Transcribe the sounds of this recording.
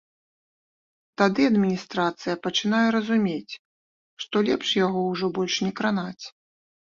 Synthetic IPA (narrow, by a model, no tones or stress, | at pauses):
t̪ad̪ɨɐd̪mʲinʲist̪ɾat̪sɨjɐpɐt͡ʂɨnajɛɾɐzumʲet͡sʲ | ʂt̪ɔlʲɛpʂjaɣɔwʐɔbɔlʲʂnʲɛkɾanat͡sʲ